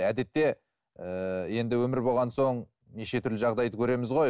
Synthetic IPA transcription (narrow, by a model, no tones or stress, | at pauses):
æd̪e̞t̪ːe̞ | əje̞nd̪ɪwɵmɪɾbo̞lˠʁɑnso̞ɴ | neʃe̞t̪ʰʏɾlɪʒɑʁd̪ɑjd̪əkʲʰɵɾe̞mɪzʁo̞j